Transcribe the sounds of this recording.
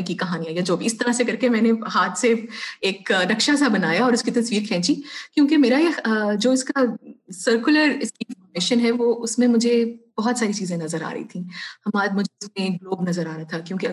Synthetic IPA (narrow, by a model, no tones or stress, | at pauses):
ẽkikɐɦaːnijãijad͡ʒoːbʱiɪst̪ɐɾasekɐɾkemɛ̃ːnehaːt̪ʰseeːkɾɐkʃasabɐnaːjaɔːɾʊskit̪ɐsʋiːɾkʰɛ̃ːt͡ʃikjõːkemeːɾaed͡ʒoːɪskasəɾkjʊləɾɪskiɪnfɔːɾmeːʃənɦɛʋoːʔʊsmẽmʊd͡ʒʱeb̥ɐɦɔt̪saːɾit͡ʃiːzẽnɐzəɾa̰ːɾɐ̰ɦḭt̪ʰĩːhɐmaːd̪mʊd͡ʒʱeʊsmẽːk̚ɡloːbnɐzəɾaːɾat̪ʰakjõːke